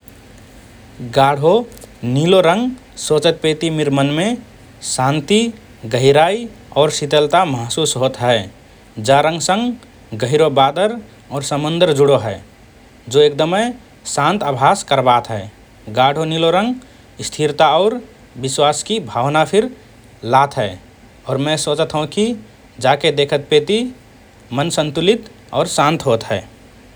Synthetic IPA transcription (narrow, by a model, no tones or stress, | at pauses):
ɡaɽ̤ʱoniloɾə̃ŋɡ | sot͡ʃət̪̚pet̪imɪɾmənme | sãnt̪i | ɡəɦɪɾaːi | ɔːɾsit̪əlt̪aməɦsuːsɦoːt̪ɦɛː | d͡ʒaɾə̃ŋɡsə̃ŋɡ | ɡəɦiɾobaːd̪əɾ | ɔːɾsəmənd̪əɾd͡ʒuɽoɦɛɪ | d͡ʒoek̚d̪əme | sãːnt̪əbʱaːskəɾbaːt̪ɦɛː | ɡaːɽ̤ʱoniloɾə̃ŋɡ | st̪ʰiɾt̪aɔːɾ | bɪswaːskibʱaːwnapʰiɾ | laːt̪ʰɦɛː | ɔːɾmɛ̃sot͡ʃt̪ʰɦɦũki | d͡ʒaked̪eːkʰət̪̚peːt̪i | mənsənt̪ulit̪ | ɔːɾsãːnt̪ɦoːt̪ɦɛː